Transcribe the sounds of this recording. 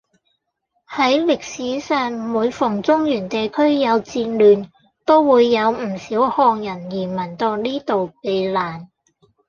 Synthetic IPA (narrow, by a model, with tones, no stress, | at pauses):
hɐ˨˥jlɪ˨k̚siː˨˥sœː˨ŋ˨muː˨˧jfʊ˨˩ŋt͡sʊ˥ŋjyː˨˩nt̪e˨jkʰɵ˥ɥjɐ˨˧wt͡siː˧nlyː˨˩n | t̪o˥wwuː˨˧jːɐ˨˧wm̩˨˩siː˨˥whɔː˧ŋjɐ˨˩njiː˨˩mɐ˨˩nt̪o˧wniː˥t̪o˨wpe˨˧jlaː˨˩n